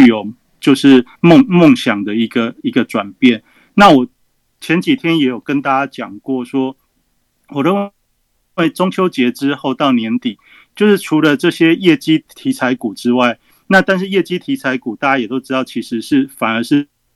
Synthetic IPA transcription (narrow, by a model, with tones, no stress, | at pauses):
jo˨˩ʊ | t͡ɕjo˥˧ʊʂɻ̩˥˨mo˥˨ŋmo˥˨ŋɕjɑ˨˩ŋd̪ə˨i˧˦ɡə˧i˧˦˥ɡə˧ʈ͡ʂwa˨˩npjɛ˥˨n | na˥˨wɔ˨˩ | t͡ɕʰjɛ˧˦nt͡ɕi˨˩t̪ʰjɛ˦˥njɛ˧˥jo˨˩kə˦nt̪a˥˧t͡ɕa˥t͡ɕjɑ˨˩ŋkwɔ˥˩ʂwɔ˥ | wɔ˨˩ɻə˥˨n | we˥˩ɪʈ͡ʂo˥ŋt͡ɕʰjo˥ʊt͡ɕjɛ˧˦ʈ͡ʂɻ̩˦xo˥˧ʊt̪ɑ˥˩ʊnjɛ˧˥nt̪i˨˩ | t͡ɕjo˥˧ʊʂɻ̩˥˩ʈ͡ʂʰu˧˥lə˧ʈ͡ʂɤ˥˨ɕjɛ˦jɛ˥˩t͡ɕi˥t̪ʰi˧˥t͡sʰa˧˥ɪku˨˩ʈ͡ʂɻ̩˥wa˥˩ɪ | na˥˨˧t̪a˥˧nʂ̬ɻ̩˥˧jɛ˥˩t͡ɕi˥t̪ʰi˧˥t͡sʰa˧˥ɪku˨˩t̪a˥˩t͡ɕja˥˩jɛ˨˩t̪o˥ʊʈ͡ʂɻ̩˥t̪ɑ˥˩ʊt͡ɕʰi˧˥ʂɻ̩˧˦ʂɻ̩˥˩fa˨˩nə˧˦ʂɻ̩˥˨